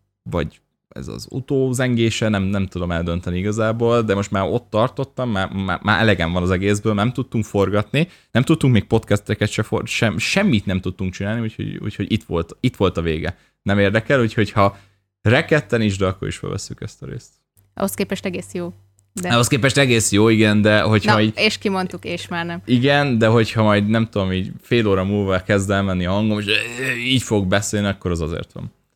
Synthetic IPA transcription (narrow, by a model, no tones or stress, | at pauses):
vɒ̰ɟ | ɛ̰zɒ̰zṵt̪oːzɛŋɡeːʃɛnɛmnɛmt̪ud̪o̞mɛld̪ø̞nt̪ɛniiɡɒzaːboːld̪ɛmo̞ʃt̪maːɾo̞t̪ːɒrt̪o̞t̪ːɒmːaːaːmaːʔɛlɛɡɛɱvɒnɒzɛɡeːzbøːlnɛmt̪ut̪ːuŋkfo̞rɡɒt̪ni | nɛmt̪ut̪ːuŋkmeːk̚po̞t̪kɛst̪ɛkɛt̪ʃɛfo̰ʃɛmʃɛmːit̪nɛmt̪ut̪ːuŋkt͡ʃinaːlniucho̰ɟṵcho̞ɟit̪ʋo̞̰lt̪it̪ʋo̞lt̪ɒveːɡɛ | nɛmeːrd̪ɛkɛluːcho̞chɒ | rɛkɛt̪ːɛniʒd̪ɒkːoɾḭʃfø̰lvɛ̰sːykɛ̰st̪ɒɾḛːst̪ | ɒ̰hoskeːpɛʃt̪ɛɡeːsjoː | d̪ɛɒhoskeːpɛʃt̪ɛɡeːsjoːiɡɛnd̪ɛɦo̞chɒiːɟeʃkimont̪ukeːʃmaːrnɛmiɡɛnd̪ɛɦo̞chɒmɒjd̪nɛmt̪ud̪o̞miːɟfeːloːɾɒmuːlvakɛzd̪ɛlmɛnːiɒɦɒŋɡomeʃiːɟfo̞ɡ̚bɛseːlniɒkːo̞ɾɛzɒzḛːrt̪ʋɒ̰n